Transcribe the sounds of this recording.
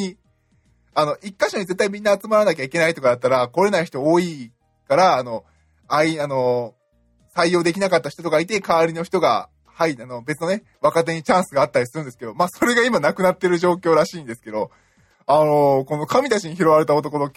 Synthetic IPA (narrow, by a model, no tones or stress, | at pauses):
i | ano̞ʔikːaɕo̞ɲ̟ize̞t̪ːaimʲĩnːaːt͡sɨmaɾanakʲaike̞naiçt̪o̞kad̪at̪ːaɾako̞ɾe̞naiçi̥t̪ooːi | kaɾaːno̞ | aiano̞ | saijːo̞ːd̪ekʲinakat̪ːaɕi̥t̪o̞t̪o̞kait̪̬e̞kaβːɾʲino̞çi̥t̪o̞ɡa̰ | haiano̞be̞t͡sɨno̞ne̞ | βakat̪̬e̞ɲ̟it͡ɕãɰ̃sɨɡaːt̪ːaɾʲisɨɾɯ̟ndesɨ̥ke̞d̪o̞maːso̞ɾe̞ɡaimanakɯ̟nat̪ːeɾɯ̟ʑo̞ːkʲo̞ːɾaɕiːnd̪e̞sɨ̥ke̞d̪o̞ | ano̞ko̞no̞kamʲit̪at͡ɕiɲ̟içiɾo̞βaɾe̞t̪ao̞t̪o̞kono